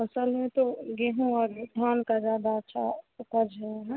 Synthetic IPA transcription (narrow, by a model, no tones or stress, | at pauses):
əsəlmẽt̪oɡeɦũɔːɾd̪ʱankad͡ʒaːd̪aətːʃʰa̰ʊpəɾd͡ʒɛɦɛ̃